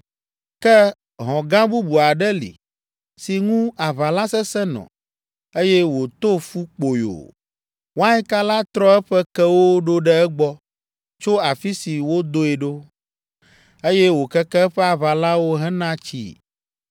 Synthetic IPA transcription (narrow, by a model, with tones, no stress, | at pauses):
kɛ˦ | ɦɔ̃˨ɡã˦bu˦bu˨a˨ɖɛ˦lḭ˨ | si˨ŋũ˦a˨βa˨la˦sɛ˦sɛ˦nɔ̰̃˨ | e˦jɛ˦wo˨t̪o˦fu˦k͡po˨jo̰˨ | wo˦a˦ɲɛ˦ka˦la˦t̪ɾɔ˦ɛ˦ɸɛ˦kɛ˦wo˦ɖo˦ɖɛ˦ɛ˦ɡ͡bɔ˦ | t͡ʃo˦a˨fi˦si˨wo˦d̪o˦ɛ˨ɖo˦ | e˦jɛ˦wo˨kɛ˦kɛ˦ɸɛ˦a˨βa˨la˦wo˦ɦɛ̃˦nã˦t͡ʃḭ˦